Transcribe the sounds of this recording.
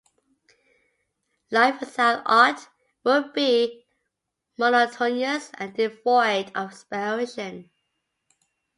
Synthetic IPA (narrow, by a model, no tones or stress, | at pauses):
laɪfəsalɑˑt | wɪlbi | mɔnətʰɔniəsə̰̃ndɪvɔɪdəv̥spəɹɪʃə̃n